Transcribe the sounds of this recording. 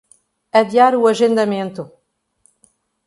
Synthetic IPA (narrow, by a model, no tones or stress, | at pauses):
ɐd̪jaɾuɐʒẽnd̪ɐmẽnt̪ʊ